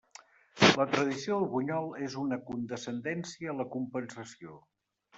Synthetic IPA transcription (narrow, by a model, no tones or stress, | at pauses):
lət̪ɾəðisioəlˠɣuɲɔlˠezunəkund̪əsənd̪ɛnsiəːləkumpənsəsio